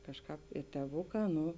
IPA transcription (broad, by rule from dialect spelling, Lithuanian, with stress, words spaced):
ˈkɑːʃˌkɑːp ɪ tʲeːˈʋʊˌkɑː ˈnʊ